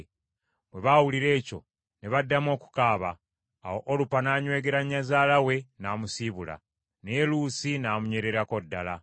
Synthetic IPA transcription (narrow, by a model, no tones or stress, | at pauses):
bwe̞βawuliɾe̞ːco̞̰ | ne̞βadːamo̞ːku̥kaːβaː | woʔolupanaːɲwe̞ːɡe̞ɾaɲːazaːlawe̞naːmusiβula̰ | nelusinaːmuɲweɾe̞ɾako̞dːala